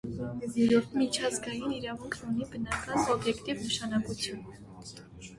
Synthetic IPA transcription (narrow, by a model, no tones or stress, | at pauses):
ɔmɛzjɛɾɔɾt̪ʰmit͡ʃʰɑzɡɑjiniɾɑvuŋkʰnunibənɑkɑnɔbjɛkt̪ivnəʃɑnɑkut͡sʰjun